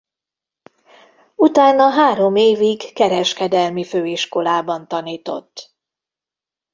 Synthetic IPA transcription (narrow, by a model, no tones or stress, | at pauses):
ut̪aːnɒɦaːɾo̞meːviɡkɛɾɛʃkɛd̪ɛlmiføːiʃko̞laːbɒnt̪ɒniːt̪o̞̰t̪ː